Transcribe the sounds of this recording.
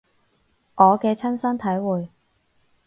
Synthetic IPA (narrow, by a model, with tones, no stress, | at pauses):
ʔɔː˨˧kɛː˧t͡sʰɐ˥nsɐ˥nt̪ʰɐ˨˥jwuː˨j